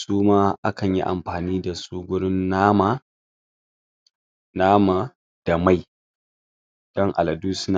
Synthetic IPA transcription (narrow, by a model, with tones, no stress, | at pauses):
suː˦maː˦ʔa̰˦kɐ˨ɲjḭ˦ʔa̰˨mɸaː˨niː˦da˨suː˦ɡʷʊ˦ɽɪ˦nːa˦ma˦ | naː˦ma˨ | d̥a˨ma˦˨j | d̥ɔ˦ŋʔa̰˨lɐ˨duː˦sna˦